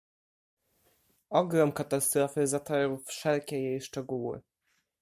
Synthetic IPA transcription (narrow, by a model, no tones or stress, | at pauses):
ɔɡɾɔmkat̪ast̪ɾɔfɘzat̪aɾɔwfʂɛlkʲɛjejʂt͡ʂɛɡuwɘ̰